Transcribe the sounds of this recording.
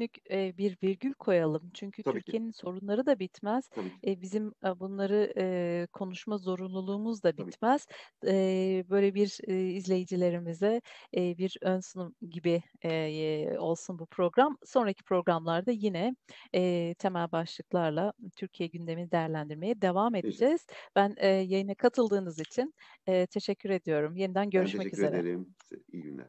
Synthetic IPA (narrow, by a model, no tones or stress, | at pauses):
nycːbiɾviɾɟylʲkʰo̞jalˠɯmt͡ʃʰyɲcʰyt̪ʰyɾcʰije̞ninso̞ɾunlˠaɾɯd̪abit̪mæz̥bizimbunlˠaɾɯɯkʰo̞nuʃmazo̞ɾunlˠulˠuːmuzd̪abit̪mæz̥ | bø̞jlʲebiɾizlʲe̞jid͡ʒilʲe̞ɾimizɛbiɾønsɯnuɟibi | o̞lˠsunbupʰɾo̞ɡɾamso̞nɾacʰi̥pʰɾo̞ɡɾamlˠaɾd̪ajinɛ | t̪ʰe̞mælʲbaʃlˠɯklˠaɾlˠat̪ʰyɾcʰijɛɟynd̪e̞minid̪ejæɾlʲænd̪iɾme̞jɛd̪e̞vame̞d̪id͡ʒɛz̥b̥ænːjajɯnakʰat̪ʰɯlˠd̪ɯːnɯzit͡ʃʰinɛːt̪ʰe̞ʃɛcːyɾe̞d̪ijo̞ɾumje̞nid̪ænɟø̞ɾyʃmɛcyze̞ɾɛ